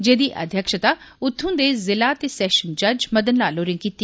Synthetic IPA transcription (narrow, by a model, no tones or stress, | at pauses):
d͡ʒeːd̪iʔɐ̰d̪ʱjəkʃət̪aʊt̪ʰːũːd̪eːzɪlat̪esɛːʃənd͡ʒɐd͡ʒmɐd̪ənlaːloːɾɪ̃ŋkiːt̪ːi